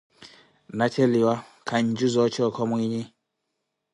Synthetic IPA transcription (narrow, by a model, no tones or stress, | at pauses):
nat͡ʃɛliwakʰaɲd͡ʒuzɔt͡ʃɔkɔmwiɲi